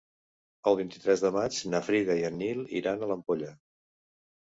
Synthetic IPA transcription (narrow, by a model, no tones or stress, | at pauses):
əlˠβint̪i̥t̪ɾɛzðəmad͡ʒnəfɾiɣəiənilˠḭɾanələmpoʎə